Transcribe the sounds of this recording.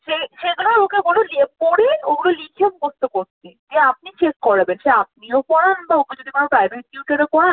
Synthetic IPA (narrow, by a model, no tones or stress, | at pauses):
ʃeʃed̪naɾokeɡololiepoɽeoɡulolikʰem̚bost̪okoɾt̪id͡ʑeap̚nit͡ɕekːɔɾabenʃeap̚niopɔɾanbaoked͡ʑod̪ikapɾajbeʈ̚juʈeɾekɔa